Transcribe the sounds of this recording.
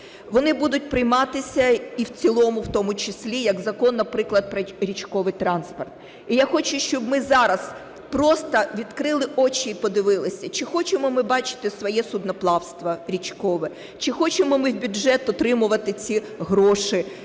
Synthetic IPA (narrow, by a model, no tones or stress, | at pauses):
ʋɔnɪbud̪ʊtʲpɾɪjmɑt̪ɪsʲɐiwt͡sʲilˠɔmʊwt̪ɔmʊt͡ʃɪsʲlʲijɐɡzɐkɔnːɐpɾɪklˠɐd̪̚pɾɐɾʲit͡ʃkɔʋɪjt̪ɾɑnspɔrt̪̚ | ijaxɔt͡ʃʊʃt͡ʃɔbmɪzɑɾɐs | pɾɔst̪ɐʋʲid̪kɾɪlˠɪʔɔt͡ʃʲiːpɔd̪ɪʋɪlˠɪsʲɐt͡ʃɪxɔt͡ʃɪmɔmɪbɑt͡ʃɪ̥t̪ɪsʋɔjɛsʊd̪nɔplˠɑwst̪ʋɐɾʲit͡ʃkɔʋɛ | t͡ʃɪxɔt͡ʃɪmɔmɪwbʲʊdʒɛt̪ɔt̪ɾɪmʊʋɐt̪ɪt͡sʲiɦɾɔʃɪ